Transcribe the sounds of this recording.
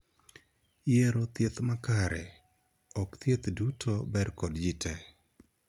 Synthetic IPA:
jeɾot̪jet̪makaɾɛ | ɔkt̪jet̪dutʰobɛɾkɔdd͡ʒitʰɛ

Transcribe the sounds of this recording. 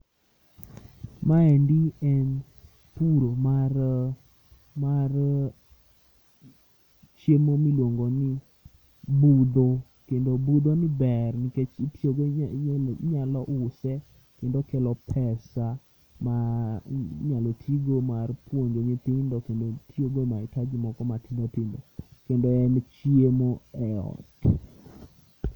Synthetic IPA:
maɛndiɛn | tuɾoma | mar | t͡ʃjemomilwoŋɡonɪ | bud̪o | kendobud̪onɪbɛrnɪket͡ʃitʰjoɡ | ɲalɔʔʊsɛ | kendokɛlɔpʰɛsa | ma | ɲalotʰiɡomarpwoɲd͡ʒoɲɪt̪ɪndɔkendotʰjoɡomaɪtad͡ʒɪmɔkɔmatid̪ot̪ɪndokendoɛnt͡ʃjemoɛɔ̰t

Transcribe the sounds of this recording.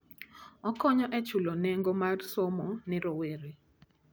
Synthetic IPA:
ɔkɔɲɔʔɛt͡ʃuloneŋɡomarsomɔnɪɾoweɾe

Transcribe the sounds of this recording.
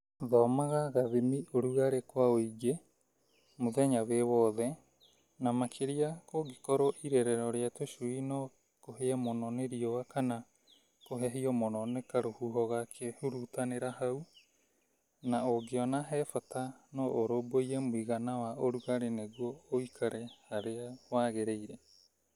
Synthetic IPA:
ðɔːmaɣaɣaðimiʔoɾuɣaɾekoaoiɡe | moðɛɲaweβɔðɛ | namakʰeɾiakoɡekɔɾoʔiɾɛɾɛɾɔɾeatosuinɔ | koɦeamonɔneɾiowakʰana | koɦeɦiomononekaɾohuɦoɣakʰehuɾutaneɾahaw | naoɡeonaɦɛfatanoʔoɾobojemoiɣanawaʔoɾuɣaɾeneɡuoːikʰaɾehaɾeawaɣeɾeiɾe

